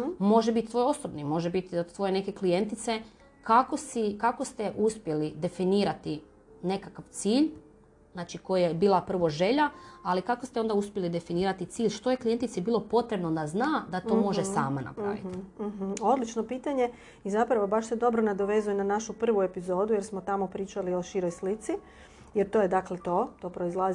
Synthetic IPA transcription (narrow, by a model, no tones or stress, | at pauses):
mo̞ʒebit̪t̪ʋo̞jo̞sobnimo̞ʒebit̪ot̪ʋo̞je̞ne̞ke̞klije̞nt̪it̪se̞ | kakosikako̞st̪e̞ʔuspje̞lid̪e̞finiːɾat̪i | ne̞kakaʋt̪siːʎ | znaːt͡ʃiko̞jajebiːlˠapr̩ʋo̞ʒe̞ʎaalikakost̪eo̞nd̪auspjelid̪e̞finiːɾat̪it̪siːʎʃt̪o̞je̞klije̞nt̪it̪sibiːlˠo̞po̞t̪ɾe̞bno̞d̪aznaːd̪at̪o̞mo̞ʒessaːmana̰pɾɾa̰ːʋit̪̩ɦ̩o̞d̪lit͡ʃnopiːt̪aɲe̞ | izapɾaʋobaʃse̞d̪o̞bɾonad̪oʋe̞zujenanaʃupr̩ʋuepizo̞ːd̪uje̞ɾsmot̪amo̞pɾiːt͡ʃalio̞ʃiɾojslit̪si | jeɾt̪oːjed̪aklet̪o̞ːt̪o̞ːpɾo̞izlaz